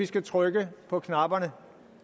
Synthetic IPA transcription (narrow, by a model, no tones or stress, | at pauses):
isɡ̥æt͡sʰʁœɡ̥əpʰɒ̽kʰnɑ̈b̥ɐnə